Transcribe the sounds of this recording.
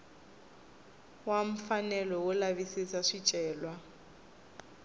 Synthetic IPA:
wam̩fanɛlɔwʊlaβisisaʂit͡ʃʼɛːlwa

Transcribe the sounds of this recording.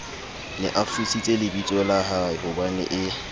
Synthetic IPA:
lɪ̰ʔafʊsit͡sʼelɪbit͡sʼɔlaɦaɪɦʊbanɛ̰ʔɪ

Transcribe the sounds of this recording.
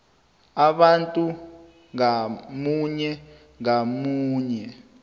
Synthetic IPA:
aɓantʼu | ŋamuɲɛ | ŋamuːɲɛ

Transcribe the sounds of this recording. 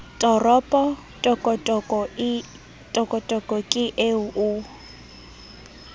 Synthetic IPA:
tʼɔrɔpʼɔ | tʼɔkʼɔtʼɔkʼɔ | tʼɔkʼɔtʼɔkʼɔkʼɪʔeʊʔʊ

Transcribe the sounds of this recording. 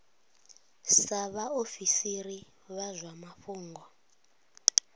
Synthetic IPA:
saβaofisiri | βazʷwamaɸuːŋɡʱwɔ

